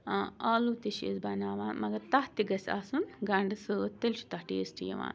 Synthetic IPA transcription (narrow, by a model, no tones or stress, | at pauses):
aːlut̪iʃḛzbɐnaːʋaːnmɐɡɐt̪ɐht̪iɡɐsʲa̰ːsunɡɐɳɖɨsɨt̪elʃu̥t̪ɐhʈḭjɐsʈḭjɐ̰ʋa̰ːn